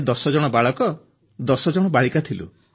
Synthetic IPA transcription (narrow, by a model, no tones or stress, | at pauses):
d̪ɔsɔd͡ʒɔɽ̃ɔbaɭɔkɔ | d̪ɔsɔd͡ʒɔɽ̃ɔbaɭikat̪ʰilṵ